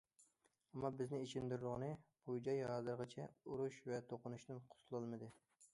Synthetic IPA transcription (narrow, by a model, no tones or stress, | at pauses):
ɛmːɑbɪznɪiʃɪnd̪yɾɾʊʁnɨb̥ud͡ʒɑjɦɑːzɨɾʁət͡ʃʰɛuɾuʃvɛt̪ʰoqʊnuʃt̪ɨnqʰʊ̥sʰlˠɑlˠmɨd̪ɨ